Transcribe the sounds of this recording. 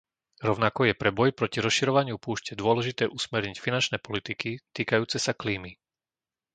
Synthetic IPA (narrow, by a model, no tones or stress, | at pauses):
ɾɔʊnakɔjɛpɾɛbɔjpɾɔciɾɔsʃiɾɔʋaɲɪupuːʃcɛd̪ʊɔlɛʒit̪ɛːʔusmɛɾɲicfinant͡ʃnɛːpɔlit̪ikit̪iːkajuːt͡sɛsakliːmi